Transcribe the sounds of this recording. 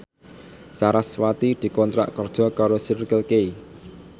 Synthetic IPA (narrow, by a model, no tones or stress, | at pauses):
saɾaswat̪id̪̥i̤kɔnt̪ɾa̰ʔkɔrd̥ʒ̥ɔ̤kaɾosirkəlke